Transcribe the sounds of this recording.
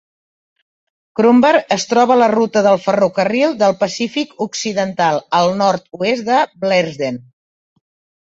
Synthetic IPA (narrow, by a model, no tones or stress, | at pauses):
kɾumbəɾəst̪ɾɔβələrut̪əðəlˠfərukərilˠd̪əlˠpəsifikuksiðənt̪alˠəlˠnɔɾt̪uezd̪əblɛzden